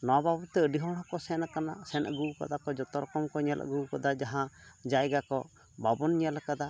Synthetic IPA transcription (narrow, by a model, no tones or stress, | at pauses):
nɔwababut̪ɛəɖiɦɔɽ̃ɔ̃kɔsɛnkanasɛnɡuka̰d̪akɔd͡ʒɔt̪ɔɾɔkɔmkɔɲɛlʔɡukɔd̪ad͡ʒaɦãd͡ʒajɡakɔ | babɔnɲəlakad̪a